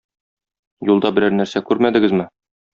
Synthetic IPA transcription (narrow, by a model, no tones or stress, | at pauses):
julˠd̪ɑbɘ̆ɾæɾnæɾsækʉɾmæd̪ɘ̆ɡɘzmɘ